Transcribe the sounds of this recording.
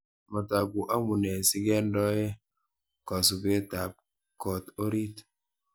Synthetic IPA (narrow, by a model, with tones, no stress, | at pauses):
ma˨ta˨ku˨ʔa˦mu˨ne˨si˦ɡɛ˦n˦dɔ˦je˦ | kɔ˨su˨be˦ta˨p̚ | kɔ˨to˦ɾi˦t